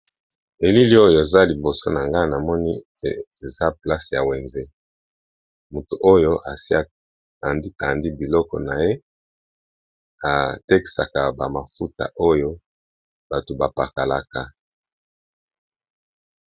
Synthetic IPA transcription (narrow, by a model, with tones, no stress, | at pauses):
e˨li˦li˦o˦jo˨e˨za˦li˨bo˨so˦na˨ŋɡa˦na˨mɔ˦ni˦ | e˨za˦pla˦sja˨we˨nze˦ | mu˨tu˨ʔo˦jo˦ʔa˨si˦a˦ | a˨ndi˦ta˨ndi˦bi˨lɔ˦kɔ̰˨na˨je˦ | a˨te˦ki̥˨sa̰˨ka˨ba˨ma˨fu˦ta̰˨ʔo˦jo˦ | b̥a˨to˨ba˨pa˨ka˨la˦ka˦